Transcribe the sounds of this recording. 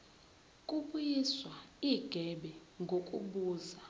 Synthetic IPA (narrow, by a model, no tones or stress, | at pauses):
kʼuɓujiswaiɡ̥ʱɛɓɛŋɡʱokʼṵɓuːza